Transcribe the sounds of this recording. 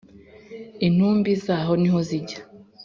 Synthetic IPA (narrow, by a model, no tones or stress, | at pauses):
in̥huːmbizaːɦo̞niɦo̞ziɟa